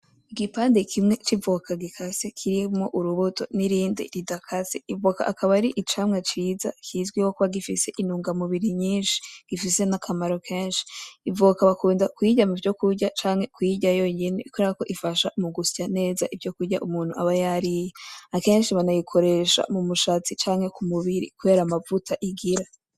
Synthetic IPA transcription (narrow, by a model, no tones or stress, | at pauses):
iɡipaːndekʰimŋe̞t͡ʃivokʰaɡikʰasekʰiɾimoʔuɾuβutʰo̞̰niɾiːndḭɾidakʰaseivoka̰ʔakaβaɾiʔit͡ʃamŋat͡ʃiːzakʰizɡwiwo̞kuβaɡifise̞ʔinuːŋɡamuβiɾiɲiːnʃi̥ɡ̥ifise̞nakʰamaɾokʰeːnʃi̥ːvukaβakuːndakwiːɟamuvɟo̞kuɾɟat͡ʃaːŋhe̞kwiɟajo̞ɲenḛkoeɾako̞ʔifaʃamuɡusi̥cane̞ːzaʔivɟo̞kuɟa̰ʔumuːn̥huaβajaɾijeake̞ːnʃiβanajikʰo̞ɾe̞ʃa̰mumuʃaːt͡sit͡ʃaːŋhe̞kʰumuβiɾḭkuβe̞ɾamavutʰaʔiɡiɾa